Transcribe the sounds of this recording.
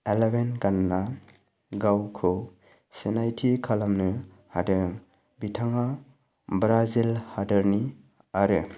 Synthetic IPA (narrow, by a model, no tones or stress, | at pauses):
elebenɡanːa | ɡawkʰɯw | senajtʰikʰalamnɯ | hadɯɾŋ | bitʰaŋa | bɾazilhadɯɾni | aɾɯ